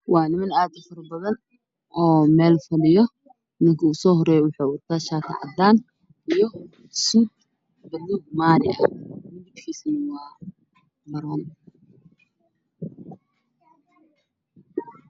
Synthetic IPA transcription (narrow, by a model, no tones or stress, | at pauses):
wɑːnɪmɐnaːd̪ɐfɐɾɐbɐðɐn | ʔɔːmɛːlfɐlɪjɔ | mɪŋkʰʊʊsɔːɦɔɾɛːjɔwʊħɑːwʊt̪ʰaːʃaːk̪ʰɐ̰ʕɑ̰d̪aːn | ʔijɔ | suːd̪̚ | bɐluːɡ̚maːɾɪɐ̰mɪbkʰiːsɐnɐwɑː | mɐɾɔːn